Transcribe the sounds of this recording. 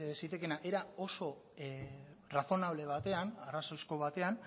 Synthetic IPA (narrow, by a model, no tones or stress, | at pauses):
sit̪eke̞naʔe̞ɾao̞so̞ | raθo̞naβ̞le̞β̞at̪e̞anarasojsko̞βat̪e̞an